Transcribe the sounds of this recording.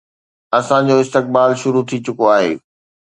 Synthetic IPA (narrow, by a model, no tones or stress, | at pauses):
ɐsãd͡ʑoɪst̪ɪk̚baːlʃʊɾut̪ʰit͡ɕʊkoaːɦḛː